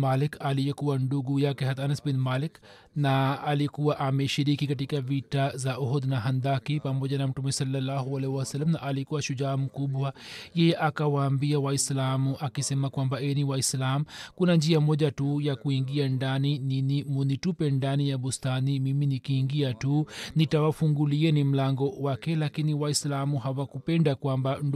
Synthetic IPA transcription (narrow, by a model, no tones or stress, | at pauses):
malɪkalijekuwaɳɖuɡujakɛɦɐt̪ɐnɐsbinmaːlɪk | naːlikuwaʔameʃiɾikikɐʈ̬ikaʋiʈazaʔɔɦɔd̪naɦɐnd̪akipɐmod͡ʒanamuʈumesɐlːɐlːaːɦuɐlɛhuwasɐlːɐmnaʔalikuwaʃud͡ʒaːmukubuwajɛʔakawaːmbijawaislaːmuʔakisɛmakwambaeniwaislaːmkunand͡ʒiamɔʄatujakuiŋɡiandanininimunitupɛndanijaɓustanimiminikiːŋɡiatunitawafuŋɡuliɛnim̩laŋɡɔwakɛlakiniwaislamuhawakupɛndakwamband